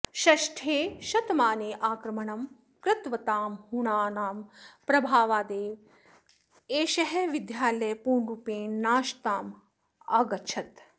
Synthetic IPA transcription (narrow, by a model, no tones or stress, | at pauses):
ʃɐʃʈʰeːʃɐt̪maːneːʔaːkɾɐmɐɳɐm | kɾɪt̪ʋɐt̪aːmɦuɳaːnaːmpɾɐbʱaːʋaːd̪eːʋ | eːʃɐɦɛʋid̪jaːlɐjɐpuːɳɾupẽːnaːʃt̪aːm | aːɡɐt͡ʃʰɐt̪